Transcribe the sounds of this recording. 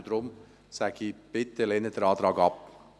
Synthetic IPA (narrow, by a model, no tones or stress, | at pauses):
d̥ɾʊm | sæɡ̥ib̥ɪt̪əlɛnəd̥ɛɾɑːd̪ɾɑːɡɑp